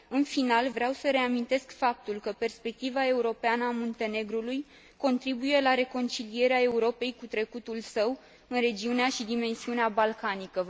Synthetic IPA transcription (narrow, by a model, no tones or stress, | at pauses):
ɨnfinalvɾeawsəɾe̞amint̪e̞skfap̚t̪ulkəpe̞rspe̞k̚t̪ivae̞uɾo̞peanəamont̪e̞ne̞ɡɾuluj | ko̞nt̪ɾibuje̞laɾe̞ko̞nt͡ʃilie̞ɾeae̞uɾo̞pe̞jkut̪ɾe̞kut̪ulsəw | ɨnɾe̞d͡ʒiuneaʃid̪ime̞nsiuneabalkanikə